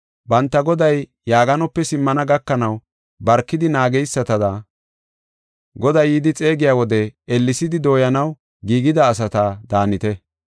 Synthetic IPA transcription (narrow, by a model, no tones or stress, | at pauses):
bɐnt̪ːɐɡɔd̪ɐjː | aːɡɐnɔpːɛsɪmːɐnɐɡɐkːɐnɐw | bɐɾkːɪd̪ɪnaːɡɛjsːɐt̪ɐd̪a | ɡɔd̪ɐjid̪ɪt͡sʼe̞ːɡɪjaːwɔd̪ɛɛlːɪsɪd̪ɪd̪o̞ːjɐnɐw | ɡiːɡɪd̪ɐːs̬ɐt̪ad̪aːnɪt̪ɛ